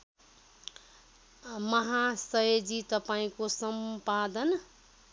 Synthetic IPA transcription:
mʌɦasʌed͡ʒit̪ʌpaĩkosʌmpad̪ʌn

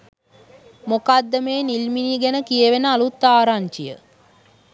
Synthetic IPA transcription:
mokad̪ːəmeːnilminiɡɛnəkijəʋenəalut̪ːaːɾaɲt͡ʃijə̰

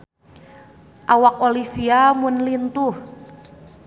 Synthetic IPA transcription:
ʔawak̚olifiamʊnlint̪ʊh

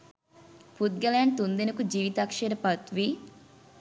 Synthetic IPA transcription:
put̪̚ɡɐlaːɳɖ̚t̪und̪inɐkud͡ʒiːʋit̪aːkʂeɾɐpɐt̪ʋi

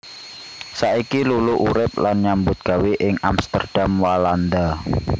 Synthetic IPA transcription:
saikiluluʔuɾɪp̚lanɲambʊt̪̚ɡ̥aweʔɪŋamst̪ə̰rd̥amwaland̪a

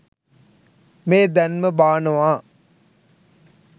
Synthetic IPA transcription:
meːd̪ænməbaːnɐʋaː

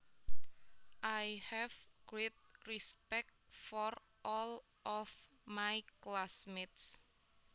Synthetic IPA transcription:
ʔajhɛvɡ̥ɾet̪̚rispɛk̚t̚fɔɾ | ʔɔl | ʔɔf | majklasmet̪s

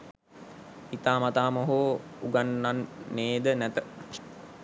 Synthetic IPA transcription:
it̪aːmat̪aːmoɦoːuɡanːanːeːd̪ənæt̪ə

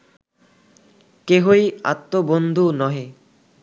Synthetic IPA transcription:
keɦoja̰t̪ːobond̪ʱunɔɦe

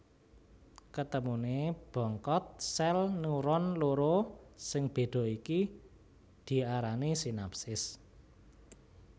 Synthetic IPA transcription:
kət̪əmuneb̥ɔ̤ŋkɔt̪̚sɛlnuɾɔnloɾosɪŋb̥e̤d̪̥ɔ̤iki | d̪̥i̤aɾanisinapsɪs

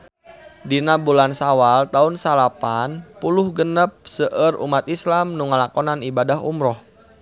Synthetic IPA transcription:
dinabulansawalt̪aunsalapanpulʊhɡənəp̚səʔərṵmat̪islamnuŋəlakɔnanibadaɦṵmɾɔh

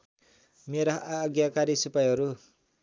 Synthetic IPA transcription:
meɾaɦaːɡijakaɾisupajɦʌɾu

